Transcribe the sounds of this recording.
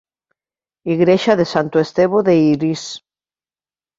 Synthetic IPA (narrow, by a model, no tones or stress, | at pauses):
iɣɾeʃaðesant̪oest̪eβoðeiɾis